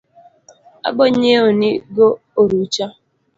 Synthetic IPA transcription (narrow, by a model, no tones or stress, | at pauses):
a̰ɡ͡bɔɲeoniɡo | oɾut͡ʃa